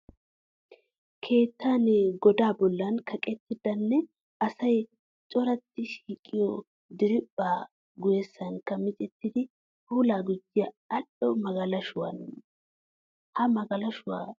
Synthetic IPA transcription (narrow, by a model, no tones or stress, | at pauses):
kʰe̞ːt̪ʰːaːnɛɡɔd̪aːbɔlːɐnkʰɐkʼɛt̪ːɪd̪ɐnːɛ | ɐsɐj | t͡ʃʼɔɾɐt̪ːɪʃiːkʼːɪjɔ | d̪ɪɾɪpʼːaː | ɡʊjɛsːɐŋkːɐmɪt͡ʃʼɛt̪ːɪd̪ɪ | huːlaːɡɪd͡ʒːɪjɐ | ɐlːɔmɐɡɐlɐʃʊwɐn | hɐmɐɡɐlɐʃʊwa̰ː